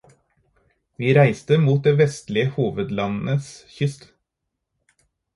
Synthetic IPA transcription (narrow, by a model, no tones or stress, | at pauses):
ʋiːɾæɪst̪əmuːt̪̚d̪eːʋɛst̪lɪəhuːʋəd̪lɑnn̩əsçʏst̪